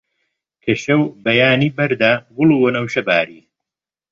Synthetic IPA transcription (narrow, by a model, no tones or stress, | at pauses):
kʰɐʃɐwbɐjaːniːbɐɾd̪aːbʊluːwɐnɐwʃɐbaːɾiː